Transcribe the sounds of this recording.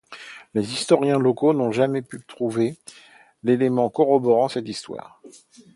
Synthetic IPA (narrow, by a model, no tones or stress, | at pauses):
lezist̪ɔʁjɛ̃lɔkonɔ̃ʒamɛpyt̪χuve | lelemɑ̃kɔʁɔbɔʁɑ̃sɛt̪ist̪wa̰ːʁ